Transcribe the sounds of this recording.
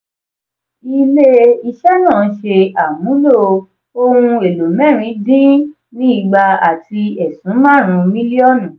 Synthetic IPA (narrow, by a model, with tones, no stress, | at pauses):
i˧le˦i˧ʃɛ˦nãː˦˨˦ʃe˧a˨mũ˨˦lo˦˨ | o˧ɾũ˧e˨lo˨mɛ̃˦˨ɾ̃ĩ˨˧˦dĩ˦ | nĩ˦i˦˨ɡ͡ba˧a˨ti˧ɛ˨sũ˨˦mã˦˨ɾ̃ũ˨˧mĩ˦li˦ɔ˦˨nũ˨